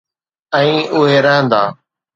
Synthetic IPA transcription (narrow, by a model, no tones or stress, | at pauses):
ɛ̃ĩːʊɦeːɾəɦə̃nd̪aː